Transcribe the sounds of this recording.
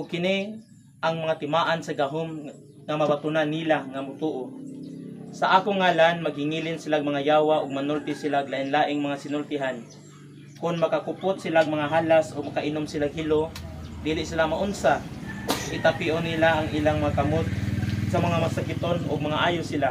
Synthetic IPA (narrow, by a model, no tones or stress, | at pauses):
ʔʊɡ̚kɪni | ʔaŋmɐŋat̪ɪmaːʔansɐɡaɦom | ŋamɐbat̪unanːilaŋamʊt̪uːʔo | sɐʔaːkʊŋːaːlanmɐɡ̚hɪŋiːlɪnsɪlaɡmɐŋajaːwaʔʊɡ̚mɐnʊlt̪ɪsɪlaʔɡlaːʔɪnlaːʔɪŋmɐŋasɪnʊlt̪ɪɦan | kʊnmɐkakʊpʊt̪̚sɪlaɡ̚mɐŋaɦaːlasʔʊɡ̚mɐkaʔɪnʊmsɪlaɡhɪlod̪iːlɪʔsɪlamaʔʊnsa | ʔɪt̪apiʔonilaʔaŋʔilaŋmɐŋakamot̪̚sɐmɐŋamasakɪt̪onʊ̰ɡ̚mɐŋaʔaːjʊsɪla